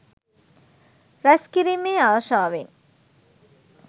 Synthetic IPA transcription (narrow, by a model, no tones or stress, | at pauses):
ɾɐskiɾimeaːʃaːʋen